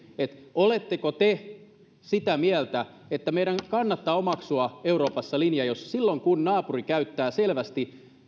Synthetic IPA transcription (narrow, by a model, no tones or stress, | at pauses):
et̪olet̪ːekot̪e | sit̪æmiælt̪æ | et̪ːæmeiɾæŋkɑnːɑt̪ːɑːomɑksuɑeuɾoːpɑsːɑlinjɑjossilːoŋkunnɑːpurikæyt̪ːæːselʋæst̪i